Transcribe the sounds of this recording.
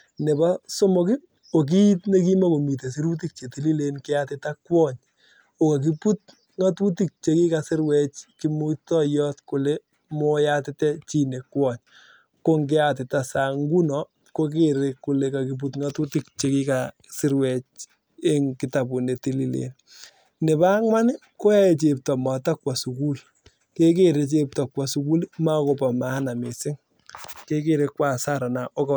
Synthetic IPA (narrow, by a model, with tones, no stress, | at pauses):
ne˨ba˦sɔ˦mɔ˦kɪ˦ | o˨k̬i˦i˦tne˦ki˦ma˦ko˨mi˨t̬e˨si˦ɾu˦t̬i˦k̚t͡ʃe˨ti˦li˦le˦nkɪ˦atɪ˨ta˦kwɔ˦ɲ | o˨ka˨k̬i˦pu˦t̚ | ŋa˦tu˦ti˦k̚t͡ʃe˨ki˦ka˨sɪ˦ɾwɛ˦t͡ʃki˦mu˦tɔ˦jɔ˦tkʊ˨le˦ | mɔ˦ja˦tɪ˦tɛ˦t͡ʃi˦ne˨kwɔ˦ɲ | ko˦ŋɡɪ˦a˨t̬ɪ˨ta˨sa˨ŋɡu˦nɔ˨ | ko˦k̬e˦ɾe˨kːu˨le˨ka˨ki˨b̬u˦tŋa˦tu˦tɪ˦kt͡ʃe˦ki˦ka | sɪ˦ɾwɛ˨t͡ʃ | e˦ŋkɪ˨ta˨bu˨ne˨ti˦li˦lḛ˨n | nɪ˨ba˦ŋwa˦n˦ko˦ja˦e˨t͡ʃe˨p̚tɔ˨ma˨ta˦kwa˨su˨ku˦l | ke˦ke˦ɾe˨˦t͡ʃe˦p̚ta˨kwa˨su˦ku˦lma˦ko˨pa˨ma˦na˨me˨sɪ˦ŋ | ke˦ke˦ɾe˦kːwa˨sa˦ɾa˨na˨ʔo˦kɔ